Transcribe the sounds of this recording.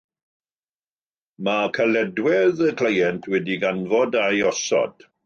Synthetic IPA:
makʰalɛdwɛðəkʰlajɛntʰwɛdiɡanvɔdajɔsɔ̰d̥

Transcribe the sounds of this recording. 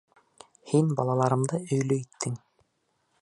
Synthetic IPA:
hinbɑlˠɑlˠɑɾɤ̆md̪ɤɵ̆jlɵjit̪ːɘŋ

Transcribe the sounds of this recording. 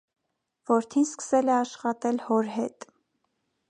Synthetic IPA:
vɔɾt̪ʰinskə̥sɛlɛɑʃχɑt̪ɛlhɔɾɦɛt̪

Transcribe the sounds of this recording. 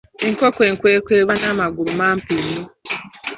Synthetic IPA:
eŋkokweːŋkweːkweːβanamaɡulumaːmpinu

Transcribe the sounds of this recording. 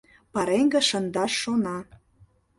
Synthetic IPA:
pɑɾeŋɡə̆ʃə̆nd̪ɑʃːonɑ

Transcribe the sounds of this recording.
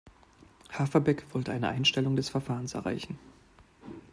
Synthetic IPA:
hafɐbɛkv̥ɔltəʔaɪnəʔaɪnʃtɛlʊŋdɛsfɛɐfaːʁənsɛ̰ɐʁa̰ɪçn̩

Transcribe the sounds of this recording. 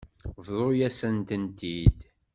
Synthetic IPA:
vðˤojæsənt̪ənt̪id̪

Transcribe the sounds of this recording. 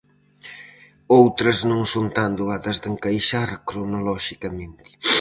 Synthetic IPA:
owt̪ɾɐznõŋsont̪and̪uaðɐzðeŋkajʃaɾkɾonolɔʃikɐmẽnt̪ɪ̥

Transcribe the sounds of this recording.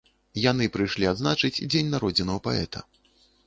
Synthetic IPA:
jan̪ɨpɾɨjʂlʲiad̪znat͡ʂɨt͡sʲd͡zʲenʲnaɾɔd͡zʲinɐwɐpaɛ̰t̪ʰɐ̰

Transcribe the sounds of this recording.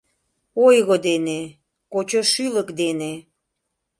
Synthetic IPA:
ojɣod̪ene | kot͡ɕoʃyləkd̪ene

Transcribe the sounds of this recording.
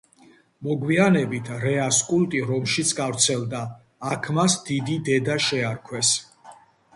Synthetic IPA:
mɔɡwianɛbit̪ʰɾɛaskʼulˠt̪ʼiɾɔmʃit̪sʰɡavɾt̪sʰɛld̪aː | kʰmasd̪id̪id̪ɛd̪aʃɛaɾkʰwɛs

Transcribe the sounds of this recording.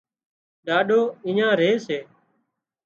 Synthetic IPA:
ɗaːɗoːɪ̃ɲãːɾeːseː

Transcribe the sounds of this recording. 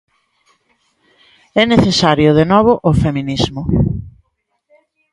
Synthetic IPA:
ɛneθesaɾjʊðenɔβ̞ʊʔʊfemĩnizmʊ

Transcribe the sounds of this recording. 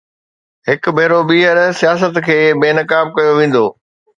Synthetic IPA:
ɦɪkbʱɐːɾoɓiːɦəɾsijaːs̬ət̪kʰeːbeːnəkaːb̚kɐjoʋẽːn̆d̪oː

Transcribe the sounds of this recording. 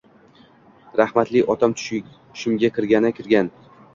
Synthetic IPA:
ɾahmat̪lɪʔɒt̪ʰamʰ | ʊ̥ʃɪmɡʲakʲɪɾɡʲanɪkʲʰɪɾɡʲan

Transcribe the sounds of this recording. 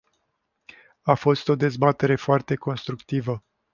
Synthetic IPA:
afo̞st̪o̞d̪e̞zbat̪e̞ɾe̞foart̪e̞ko̞nst̪ɾukt̪ivə

